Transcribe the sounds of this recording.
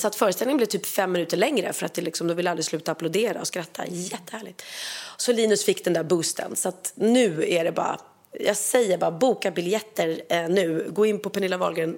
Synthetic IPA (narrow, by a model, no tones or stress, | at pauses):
sɔat̪fœːɾəst̪ɛlnɪŋnblɛt̪yːpfɛmːɪnʉ̟ːt̪əɭɛŋɾə̰fœɾa̰t̪̚d̪ɛlɪksɔmd̪ɔvɪlːald̪ɾɪslʉ̟ːt̪aːplʊd̪eːɾa̰ɔskɾat̪ʰːa̰jɛt̪ːəhæːɭɪɡt̪sɔliːnɵsfɪkːd̪ɛnd̪æːɾbɵːst̪ʰə̰nsɔat̪nʉ̟ːæɖɛbɑ̰ːɾa̰ | jɑ̰ːɡsɛjːəɾbɑːabuːkabɪljɛt̪ʰːəɾnʉ̟ːɡoːɪnːpʰɔpʰɛnɪlːavɑ̰lɡɾɪn